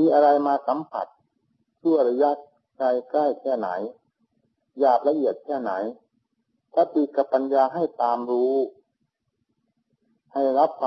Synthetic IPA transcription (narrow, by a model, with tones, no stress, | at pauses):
miː˧ʔa˧ɾa˧jmaː˧sa˨˦mpʰa̰˨˩t̪̚ | su˧˩əjɾa˧ja˦˥t̪̚ | ka˧jkla˥˩jkʰɛː˧˥˩na̰˩˦j | jaː˨˩p̚la˧ʔi˨˩ət̪̚kʰɛː˧˥˩na˩˦j | kʰa˧˩t̪iː˧˩ka˧˩pa˧njaː˧ɦa˥˩jt̪aː˧mɾuː˦˥ | ha˥˩jɾa˦˥p̚kʰa˧